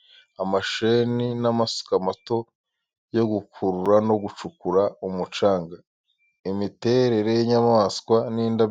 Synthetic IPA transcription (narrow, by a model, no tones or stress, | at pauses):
amaʃeninamasu̥kamato̞ | jo̞ɡukʰuɾuɾano̞ɡut͡ʃukuɾaumut͡ʃaːŋɡa | imite̞ɾe̞ɾe̞jiɲamaːskwaniːnda